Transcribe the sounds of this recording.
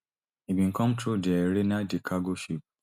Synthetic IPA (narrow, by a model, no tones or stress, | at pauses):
ibĩŋ̩kʰɔ̃mtʰɾudɛɾenadikʰaɡoʃip̚